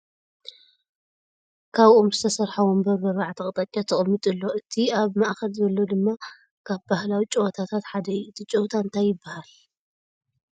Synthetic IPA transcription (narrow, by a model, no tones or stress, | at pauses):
kʰaβomzɨt̪ʰɐsɐɾħawombɐɾɐɾaʕt̪ʰɐχʼt̪ʼɐt͡ʃʼːat̪ʰɐχʼɐmːɨt̪ʼɨlːo̞ɨt̪ʰiaβmaʔxɐlzɐlːo̞d̪ɨmːa | kʰaβbahlawit͡ʃʼowt̪ʰat̪ʰat̪ħad̪ɐjt̪ʰit͡ʃʼowt̪ʰaɨnt̪ʰajːɪbːahal